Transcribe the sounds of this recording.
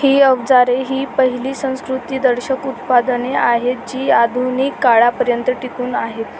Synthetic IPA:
hiːəbd͡zaɾeɦiːpəɦiliːsə̃w̃skɾut̪iːd̪əɾɕəkut̪pad̪əneaɦet̪̚d͡ʑiːad̪ʱunikːaɭapəɾjənt̪əʈikuːnaɦet̪

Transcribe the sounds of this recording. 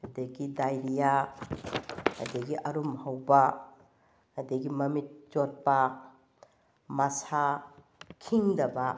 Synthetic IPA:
ɐdɐɡidajɾija | ɐ̰dɐɡiʔɐɾumhɐwbɐ | ɐdɐɡimɐmit̚d͡ʒot̚pɐ | mɐsa | kʰiŋdɐbɐ

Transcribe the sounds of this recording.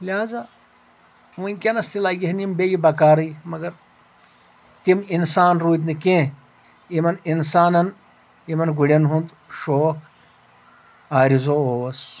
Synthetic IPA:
liɦaːza | ʋuikʲenɐst̪ilaːɡiɦɐnimbejibɐkaːɾɨjmɐɡɐɾ | t̪iminsaːnɾuːt̪̬nɨkẽː | imɐninsaːnɐn | imɐnɡuɽʲɐnɦund̪ | ʃoːk | aːɾizooɐs

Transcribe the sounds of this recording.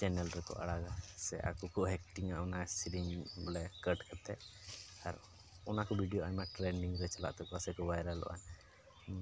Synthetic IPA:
t͡ʃɛnɛlɾɛkɔ̰ʔa̰ɽaɡasɛʔa̰kɔkɔʔɦɛk̚ʈiŋaʔɔnasiɾiŋblɛkəʈkʰat̪ʰɛʔaɾ | ɔnakɔbʱiɖijoamaklɛɳɖiŋɾɛt͡ʃala̰ʔt̪ɔkɔasɛkɔbajɾalɔ̰ʔa̰n

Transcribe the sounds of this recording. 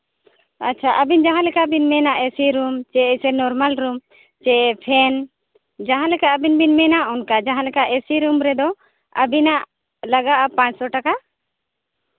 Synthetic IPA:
a̰tːt͡ʃʰaʔəbind͡ʒaɦãlɛkabinmɛnaʔɛsiɾumt͡ʃɛsɛnɔɾmalɾum | t͡ʃɛpʰɛn | d͡ʒaɦãlɛkaʔəbinbinmɛnaʔɔnkad͡ʒaɦãlɛkaʔɛsiɾumɾɛd̪ɔ | ə̰binaʔ | laɡaʔapãɲt͡ʃsɔʈaka

